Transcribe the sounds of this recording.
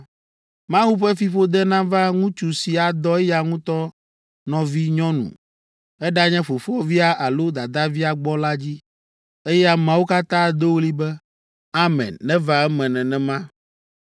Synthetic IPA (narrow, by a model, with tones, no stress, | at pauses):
mã˦wu˦ɸɛ˦fi˦ɸo˦d̪ɛ˦nã˦va˦ŋũ˦t͡ʃu˨si˨a˨d̪ɔ˦ɛ˦ja˨ŋũ˦t̪ɔ˦ | nɔ̃˨vi˦ɲɔ̃˦nṵ̃˨ | ɛ˦ɖa˦ɲɛ̃˦ɸo˨fɔ˦vi˦a˦ʔa˨lo˦d̪a˨d̪a˦vi˦a˨ɡ͡bɔ˦la˦d͡ʑi˦ | e˦jɛ˦a˦mã˨wo˦ka˦t̪ã˦d̪o˦wo˦li˦bɛ˦ | a˦mɛ̰̃˨nːɛ̃˦va˦ɛ˦mɛ̃˨nɛ̃˨nɛ̃˨mã˦